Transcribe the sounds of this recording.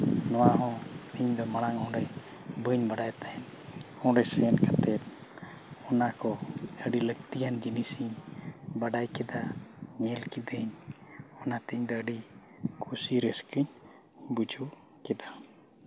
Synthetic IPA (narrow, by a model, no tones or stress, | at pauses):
nɔwaɦɔ̃t̪iɲd̪ɔmaɽ̃aŋɔɖɛj | bəɲbaɖajt̪aɛn | ɔ̃ɖɛsɛnkat̪ɛp̪̚ | ɔnakɔəɖiləkt̪ijand͡ʒinisiɲbaɖajkɛd̪aɲɛlkid̪əɲɔnat̪iɲd̪ɔəɖi | kʰusiɾəskəɲ | bud͡ʒuʔ | kɛd̪a